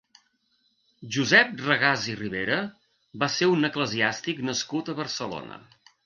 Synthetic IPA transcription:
ʒuzɛp̚rəɣaziriβ̞eɾə | baseunəkləziast̪iknəskut̪əβərsəlo̰nə̰

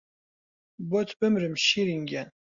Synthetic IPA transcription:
bɔt̪ʰbɨmɾəmʃiɾiŋɡʲæn

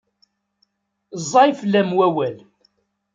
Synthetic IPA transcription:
zˤːɑjflːæmwæwæl

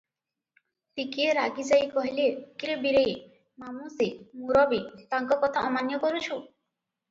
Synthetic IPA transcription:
t̪ikieɾaɡid͡ʒajkɔɦilekiɾebiɾe | mamusimuɾɔbit̪aŋkɔkɔt̪ʰaʔɔmanjɔkɔɾut͡ʃʰu

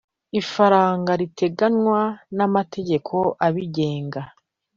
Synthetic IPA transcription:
ifaɾaːŋɡaɾitʰe̞ɡanwanamatʰe̞ɟe̞kʰo̞ʔaβiɟe̞ːŋɡa

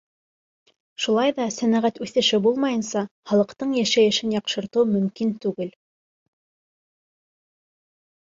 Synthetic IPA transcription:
ʃulˠɑjðɑsænæʁæt̪ʉθɘ̆ʃɘbulˠmɑjɤ̆nsɑχɑlˠɤ̆qt̪ɤɴjæʃæjɘ̆ʃɘnjɑqʃɤ̆ɾt̪ɤwmɵ̆mkint̪ʉɡɘl

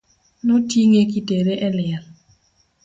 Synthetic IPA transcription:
nɔtiŋekiteɾeʔɛlɪr

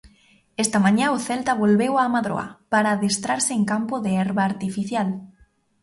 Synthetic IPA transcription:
ɛst̪amãɲãʊθelt̪aβolβewamaðɾo̰a̰paɾaðest̪ɾaɾsɪeŋkampʊðeɛɾβaːɾt̪ifiθjal

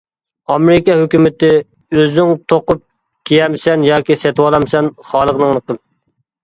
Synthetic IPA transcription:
ɑmɾɪkɑɦøkʲymɪt̪ɪ | øzyŋt̪ʰoqʊp̚ | kʲʰejɛmsɛnjɑːkʲisɛt̪wɑlˠɑmsɛnχɑːlˠəʁnɨŋlˠəqəm

